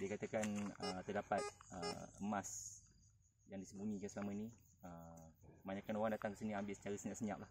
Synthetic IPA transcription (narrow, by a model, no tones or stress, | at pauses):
diəkat̪əkanə̰t̪ərdapat̪̚ə̰əmas | jaŋdisəbunĩkansəlamə̃nĩ | ə | maɲakanoɣaŋdat̪aŋkə̥siniambɪlsə̥t͡ʃaɾəsəɲãʔsəɲa̰ʔ̚lah